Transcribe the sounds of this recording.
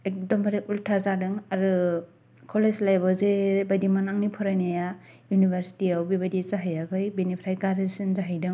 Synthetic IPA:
ek̚dɔmbaɾiʔultʰazadɯŋaɾɯ | kʰɔlezlajbɔzebajdimanaŋnipʰɔɾajnaja | junibʱeɾsi̥tiawbibajdizaɦajakʰɯjbinipʰɾajkaɾɯsɯnzaɦajdɯŋ

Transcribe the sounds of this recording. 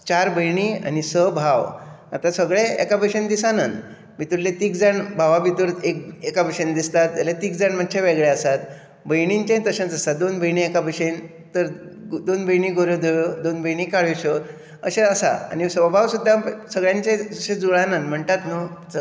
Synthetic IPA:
t͡ɕaɾbəjɳia̰nisəbʱaʋ | at̪ãsəɡɭeḛkabəɕend̪isanən | bit̪uɾlet̪iːkd͡zəɳbʱaʋabit̪uɾek̚ekabʱəɕənd̪ist̪at̪̚alet̪iːk̚d͡zaɳm̤ad̪̚t͡ɕʰeʋeɡɭeəsat̪ | bəjɳiɲt͡ɕẽt̪əɕə̃nt͡səsad̪onbəjɳiekabəɕen | t̪əɾd̪onbəjɳiɡoɾed̪ʱeɭod̪onbʱəjɳikaɭeɕə | əɕeəsa̰a̰nisəbʱaʋsud̪ʱːasəɡɭjãɲt͡ɕẽəɕẽd͡zuɭãnənm̤əɳt̪at̪nu

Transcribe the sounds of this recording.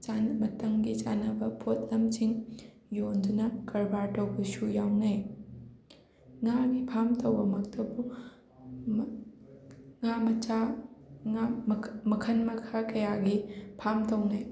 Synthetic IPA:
t͡ʃanmɐtɐŋɡit͡ʃanɐbɐpʰot̚lɐmt͡ʃiŋ | jondunɐkɐɾbaɾtowbɐsujawnɐj | ŋaɡipʰamtɐwbɐmɐk̚tʰɐbu | ŋamɐt͡ʃaŋamɐkʰɐnmɐkʰakɐjaɡipʰamtɐwnɐj

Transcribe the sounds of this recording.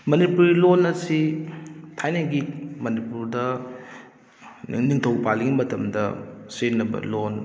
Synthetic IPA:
mɐnipuɾilonɐsi | tʰajnɐɡimɐnipuɾdɐ | ŋniŋtʰɐwpalːɐɡimɐtɐmdɐ̰senːɐbɐ̰lon

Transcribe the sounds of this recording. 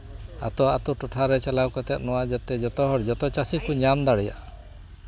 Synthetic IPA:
a̰t̪ɔat̪ɔʈɔʈʰaɾɛt͡ʃalawkɔt̪ɛt̪̚nɔwad͡ʒat̪ɛd͡ʒɔt̪ɔɦɔɾd͡ʒɔt̪ɔt͡ʃasikuɲamd̪aɽɛja̰ʔ

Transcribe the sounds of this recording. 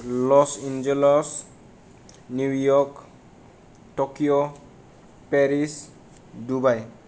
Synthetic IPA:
lɔsind͡ʒelɔs | nuwjɔk | tokijo | pɛɾis | dubaj

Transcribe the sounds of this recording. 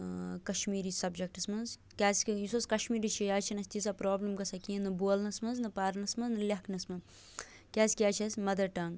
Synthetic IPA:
kɐʃmiːɾisɐbd͡ʒɐk̚ʈɐsmɐnz | kʲaːsjisoskɐʃmiːɾit͡ʃʰijaːt͡ʃʰinɐsʲt̪isapɾoːblɐmkɐsɐkiːnɨboːlnɐsmɐnznɨpaːɾnɐsmɐznɨlʲɐknɐsmɐn | kʲaːsʲkʲaːt͡ʃʰɐsʲmɐd̪ɐɾʈɐŋɡ

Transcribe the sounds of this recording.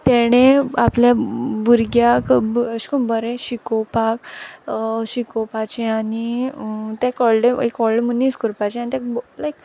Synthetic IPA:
t̪ɛɽ̃ẽapljabuɾɡjakbɕkũnbəɾẽɕikopak̚ | ɕikopat͡ɕeaɽi | t̪ẽkɔɭɖeḛkɔɭlemunːiskuɾpat͡ɕeanit̪ɛ̃kblajk

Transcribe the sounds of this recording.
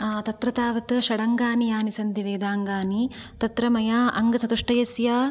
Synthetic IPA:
t̪ɐt̪ɾɐt̪aːʋɐt̪ʃɐɽɐŋɡaːnijaːnisɐnt̪iʋeːd̪aːŋɡaːnit̪ɐt̪ɾɐmɐjaːʔɐŋɡɐsɐt̪uʂʈɐjɐsjɐ

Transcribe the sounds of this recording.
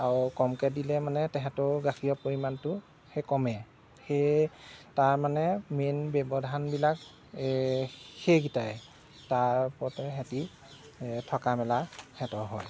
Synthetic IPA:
aɹukɔmkɛdilɛmanɛtɛɦɛtʊɡaxʰijɔpoɹimantʊ | xejkɔmɛ | xe | taɹmanɛmenbɛbɔdʱanbilak | xejɡitaɛ | taɹpɔtɛɦɛti | tʰɔkamɛlahɛtɔɹɦɔj

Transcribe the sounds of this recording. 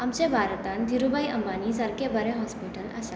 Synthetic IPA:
amt͡ɕebʱaːɾət̪and̪ʱiɾubajɐmbanid͡zəɾkebəɾẽɦɔspiʈəlɐ̰sa

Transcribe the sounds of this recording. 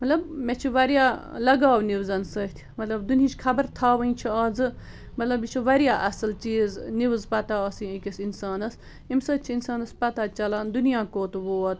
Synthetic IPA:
mɐt̪lɐbmet͡ʃʰiʋɐɾjaːlɐɡaːwniʋzɐnsət̪ʲʰmɐt̪lɐbd̪unit͡ʃʰkʰɐbəɾt̪ʰaːʋɐĩt͡ʃʰiɐd͡zɨ | mɐt̪lɐbit͡ʃʰuʋɐɾijaːʔɐsɐlt͡ʃiːzniʋzpɐt̪aɐsĩikʲisinsaːnɐs | imsəːt̪̚t͡ʃʰiinsaːnɐspɐt̪at͡ʃɐlaːnd̪unijãːkoːt̪ʋoːɐt̪

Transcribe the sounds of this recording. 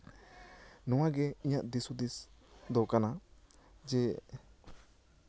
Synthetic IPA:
nɔwãɡɛiɲaʔd̪isud̪isd̪ɔkana | d͡ʒɛ

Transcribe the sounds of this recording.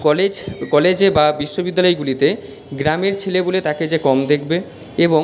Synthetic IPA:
kɔled͡ʑkɔled͡ʑebabiʃːobid̪ːalɔejɡulit̪e | ɡɾameɾt͡ɕʰelebolet̪aked͡ʑekɔmd̪ekʰbe | ebo

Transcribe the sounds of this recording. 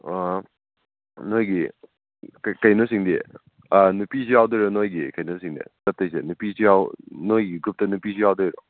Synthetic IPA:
nojɡi | kkɐjnosiŋdi | anupisijawdɔjɾɔnojɡikɐjnosiŋdḭtɐt̚tːɐjsenupisijawnojɡiɡup̚tɐnupisʰijawdɔjɾɔ̰

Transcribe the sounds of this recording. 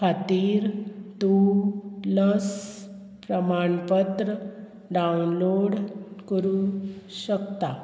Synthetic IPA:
kʰat̪iːɾt̪u | ləs | pɾəmaɳpət̪ɾə | ɖaunloɽkəɾuɕəkt̪a

